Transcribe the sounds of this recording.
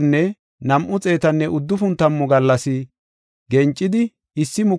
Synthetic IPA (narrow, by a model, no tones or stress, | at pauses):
nːɛ | nɐmʔʊt͡sʼe̞ːt̪ɐnːɛʔʊd̪ːʊfʊnt̪ːɐmːʊɡɐlːɐsɪ | ɡɛnt͡ʃʼːɪd̪ɪ | ɪsːɪmʊ